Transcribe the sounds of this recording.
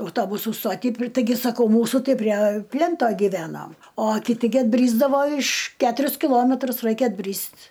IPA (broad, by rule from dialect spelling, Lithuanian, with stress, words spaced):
ɐʊˈtoːbʊsuː ˈstoːtʲiː ˈtɐɪɡʲɪ sɐˈkɐʊ ˈmuːsʊ ˈtɐɪ pʲrʲiɛ ˈpʲlʲɛntoː ɡʲɪˈʋʲæːnoːm oː kʲɪˈtʲɪ ɡʲɪ ɐdʲˈbʲrʲiːzdɐʋoː ɪʃ ˈkʲæːtʊrʲʊs kʲɪˈlˠoːmʲɛtrʊs ˈrɐɪkʲɛ ɐdʲˈbʲrʲiːsʲtʲ